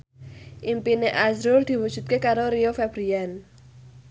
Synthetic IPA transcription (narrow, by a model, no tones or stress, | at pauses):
ʔimpineʔazɾʊrd̪̥i̤wud̥ʒ̥ṳt̪̚kekaɾoɾiofɛb̥ɾian